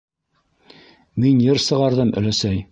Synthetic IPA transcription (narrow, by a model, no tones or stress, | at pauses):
minjɤɾsɤ̆ʁɑɾðɤmɵ̰̆læsæj